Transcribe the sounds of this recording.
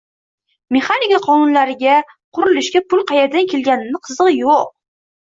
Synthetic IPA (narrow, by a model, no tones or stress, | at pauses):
me̞χanikaqʰɒnʊnlaɾɪɡʲa | qʰʊɾɪlɪʃkʲapʰʊlˠqʰɑjaɾd̪ankʲʰe̞lɡʲanɪnɪqʰɨzɨʁjoq̚